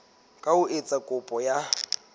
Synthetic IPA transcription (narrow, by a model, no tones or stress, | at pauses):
kʼaʊʔet͡sʼakʼʊpʼɔja